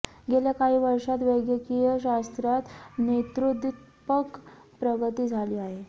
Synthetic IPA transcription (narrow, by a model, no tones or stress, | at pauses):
ɡeljakaɦiːʋəɾʂat̪ʋəɡjəkijəɕast̪ɾat̪net̪ɾud̪it̪ | pək | pɾəɡət̪iːd͡zʱaliːaɦe